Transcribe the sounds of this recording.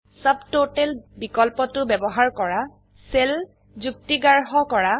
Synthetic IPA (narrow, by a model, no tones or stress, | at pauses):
sabtotɛlbikɔlpɔtʊbɛbɔɦaɹkɔɹa | sel | zuk̚tiɡaɹɦɔkɔɹa